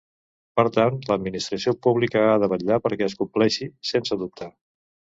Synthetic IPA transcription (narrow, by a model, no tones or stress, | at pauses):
pəɾt̪anləd̪minist̪ɾəsiopuβ̞likəaðəβəʎːapəɾkɛəskumplɛʃisensəðup̚t̪ʰa